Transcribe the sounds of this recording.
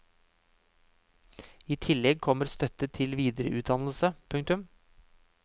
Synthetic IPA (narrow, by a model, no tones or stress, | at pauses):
iːt̪ʰɪlːɛɡ̚kʰɔməɾst̪œt̪ət̪ʰɪlʋiːd̪əɾə̰ʔʉːt̪̚d̪ɑnl̩səpʰʉŋk̚t̪ʉm